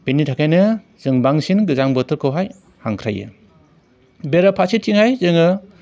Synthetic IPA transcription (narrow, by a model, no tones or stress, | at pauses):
b̥initʰakʰajnɯ | z̥ɯŋbaŋsinɡɯzaŋbɯtʰɯɾkʰɯwɦaj | haŋkʰɾajɯ̰ | beɾapʰasitʰiŋhajzɯŋɯ